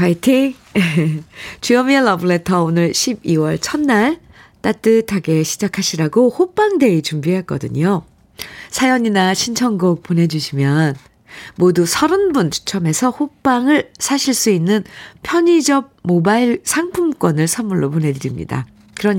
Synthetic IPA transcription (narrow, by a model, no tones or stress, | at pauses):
kaitʰiŋ | t͡ɕujʌmiɭːʌbuɭe̞tʰʌonɯɭɕʰibiwʌɭt͡ɕʰʌnːaɭ | t͈at͈ɯtʰaɡe̞ɕʰid͡ʑakʰaɕʰiɾaɡohop͈aŋde̞it͡ɕumbiɦek͈ʌ̰dɯ̰ɲo | sʰajʌɲinaɕʰint͡ɕʰʌŋɡok̚p͈one̞d͡ʑuɕʰimjʌn | modusʰʌɾɯnbunt͡ɕʰu̥t͡ɕʰʌme̞sʰʌhop͈aŋɯɭsʰaɕʰiɭs͈uinːɯnpʰjʌɲid͡ʑʌb̚mobaiɭsʰaŋpʰumk͈wʌnɯɭsʰʌmuɭːopone̞dɯɾimɲḭda̰ | kɯɾʌɲ